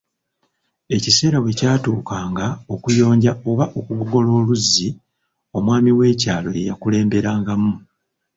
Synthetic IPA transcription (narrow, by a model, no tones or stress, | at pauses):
e̞cise̞ːɾawe̞caːtuːkaːŋɡao̞kujo̞ːɲɟao̞βaʔo̞kuβuɡo̞lo̞ːluzːi | o̞mwaːmiwe̞ːcaːlo̞̰je̞̰ja̰kule̞ːmbe̞ɾaːŋɡamu